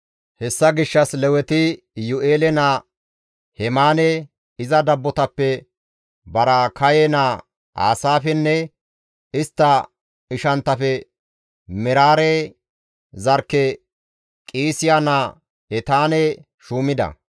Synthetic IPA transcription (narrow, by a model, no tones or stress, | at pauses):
hɛsːɐɡɪʃːɐslɛwɛt̪ɪ | jʊʔeːlɛnaː | hɛmaːnɛ | ɪzɐd̪ɐbːɔt̪ɐpːɛ | bɐɾakɐjɛnaː | a̰ːsaːfɛnːɛ | ɪst̪ːɐ | ɪʃɐnt̪ːɐfɛ | mɛɾaːɾɛ | zɐɾkːɛ | kʼiːsɪjanaː | ɛt̪aːnɛ | ʃuːmɪd̪ɐ̰